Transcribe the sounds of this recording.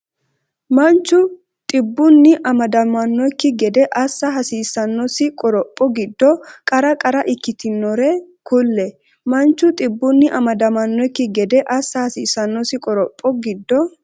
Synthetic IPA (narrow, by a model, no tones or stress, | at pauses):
mɐnt͡ʃːʊ | t̪ʼɪbːʊnːɪʔɐmɐd̪ɐmɐnːɔjkːɪɡɛd̪ɛʔɐsːɐɦɐsiːsːɐnːɔsɪkʼɔɾɔpʼːɔɡɪd̪ːɔkʼɐɾɐkʼɐɾɐʔɪkːɪt̪ɪnːɔɾɛkʊlːɛ | mɐnt͡ʃːʊt̪ʼɪbːʊnːɪʔɐmɐd̪ɐmɐnːɔjkːɪɡɛd̪ɛʔɐsːɐhɐsiːsɐnːɔsɪkʼɔɾɔpʼːɔɡɪd̪ːɔ